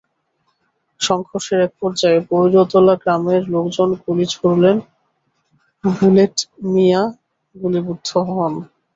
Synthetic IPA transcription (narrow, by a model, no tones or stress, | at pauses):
ʃɔŋkʰoɾʃeɾɛk̚pɔɾd͡ʑaepoɾiɾot̪olaɡɾameɾlokd͡ʑonkulit͡ɕʰoɾulen | bʱuleʈmija | ɡulibud̪ʱːoɦɔn